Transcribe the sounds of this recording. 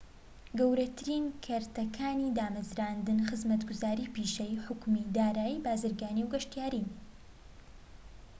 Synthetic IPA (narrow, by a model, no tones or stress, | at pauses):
ɡɐwɾɐt̪ʰɨɾinkʰɐɾt̪ɐkʰaːnid̪aːmɐzɾaːnd̪ɨnxɨzmɐt̪ɡʊzaːɾiːpiʃejħʊkmid̪aːɾaːjibaːzɨɾɡaːniwɡɐʃt̪ijaːɾin